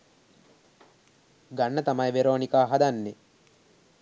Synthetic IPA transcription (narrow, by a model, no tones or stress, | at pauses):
ɡanːət̪amɐjʋeɾoːnikaːɦad̪anːe